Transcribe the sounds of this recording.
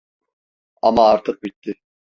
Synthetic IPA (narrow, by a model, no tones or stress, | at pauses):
amaːɾt̪ʰɯq̚bit̪ːɪ